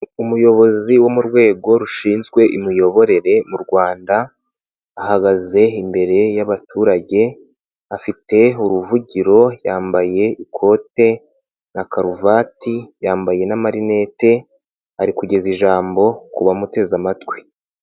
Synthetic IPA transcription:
umujo̞βo̞ziwo̞muɾɡwe̞ːɡo̞ɾuʃiːnzɡwe̞ʔimijo̞βo̞ɾe̞ɾe̞muɾɡwaːndaː | haɡaze̞imbe̞ɾe̞jaβatʰuːɾaɟe̞ | afite̞uɾuvuɟiɾo̞jaːmbaje̞ikʰo̞te̞ | nakaɾuvaːtijaːmbaje̞namaɾine̞te̞ | aɾikuɟe̞ziʒaːmbo̞kuβamute̞zamatwi̥

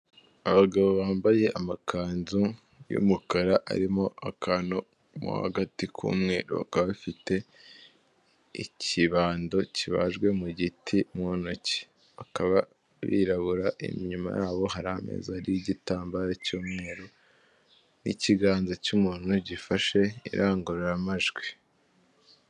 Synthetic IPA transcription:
aβaɡaβo̞βaːmbaje̞ʔamakʰaːnzu | jṵmukaɾaʔa̰ɾimo̞akano̞ | mṵha̰ɡatikʰṵːmŋe̞̰ːɾo̰βa̰kaβafite̞ | ḭciβaːndo̞ciβa̰ʒɡwe̞muɟitʰimonoci̥ | βakaβa | βḭɾaβuɾaʔḭmɲuma̰jaːβo̞ɦaɾamḛzaɾijiɟitaːmbaːɾacuːmŋe̞ːɾo̞ | nḭciɡaːnzacumuːn̥huɟifaʃe̞ḭɾʔaːŋɡuɾeɾamaʒɡwi

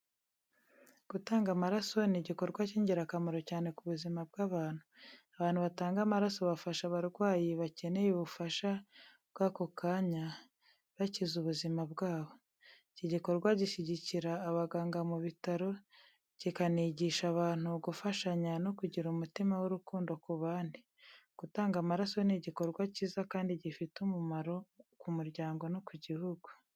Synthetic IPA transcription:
ɡ̥utaːŋɡamaɾaso̞niɟiko̞ɾɡwaciːɲɟiɾakamoɾo̞caːne̞kuβuzimab̚ɡaβaːn̥huaβaːnhuβataːŋɡamaɾaso̞βafaʃaβaɾɡwaːjiβace̞ne̞juβufaʃa | bɡ̥aːko̞kaːɲa | βacizuβuzimabɡaːβo̞ | ciɟiko̞ɾɡwaɟiʃiɟiciɾaːβaɡaːŋɡamuβitaɾo̞ | ɟ̥ikaniɟiʃaβaːn̥huɡufaʃaɲano̞kuɟiɾumutimawuɾukuːndo̞kuβaːndi | ɡ̥utaːŋɡamaɾasoniɟiko̞ɾɡwaciːzakaːndiɟifitumumaɾo̞kumuɾɟaːŋɡo̞nokuɟihuɡu̥

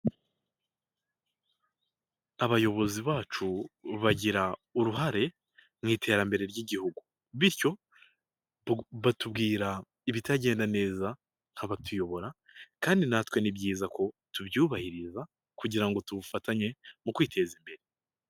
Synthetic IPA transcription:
aβajo̞βo̞ziβaːt͡ʃuβaɟiɾauɾuɦaɾe̞ | mŋiːtʰe̞ːɾambe̞ɾe̞ɾɟiɟihuɡu | βiɾco̞ | βatubɡiːɾa | iβitaɟe̞ːndane̞ːza | ŋ̥haβatujo̞βo̞ɾa | kaːndinatwe̞nibɟiːzakʰo̞tubjuːβahiɾiza | kuɟiɾaŋɡo̞tuβufataɲe̞mukwiːtʰe̞zimbe̞ɾe̞

